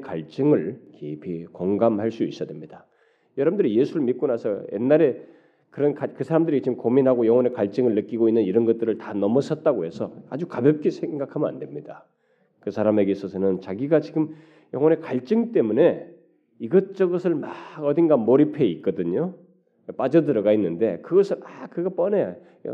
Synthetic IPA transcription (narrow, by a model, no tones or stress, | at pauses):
kaɭt͡ɕ͈ɯŋɯɭkeipʰikoŋɡamhaɭs͈uis͈ʌdwemɲida | jʌɾʌbmndɯɾije̞sʰuɾɯɭmit̚k̚k͈onasʰʌjḛnːaɾe̞ | kɯɾʌnkakɯsʰaɾamndɯɾit͡ɕimkominɦaɡojʌŋwʌne̞kaɭt͡ɕ͈ɯŋɯɭːɯk͈iɡoinːɯniɾʌnɡʌt͈ɯɾɯɭtanʌmʌsʰʌt̚t͈aɡoɦe̞sʰʌa̰d͡ʑukabjʌp̚k͈e̞sʰeŋɡakʰaməna̰nde̞mɲida | kɯsʰaɾame̞ɡesʰʌsʰʌnɯnt͡ɕaɡiɡat͡ɕiɡɯm | jʌŋwʌne̞kaɭt͡ɕ͈ɯŋt͈e̞mune̞ | iɡʌt͡ɕ͈ʌɡʌsʰɯɭmaɡʌd̪inɡamoɾipʰe̞it̚k͈ʌdɯɲo | p͈ad͡ʑʌdɯɾʌɡainːɯnde̞kɯɡʌsʰɯɭakɯɡʌp͈ʌneja̰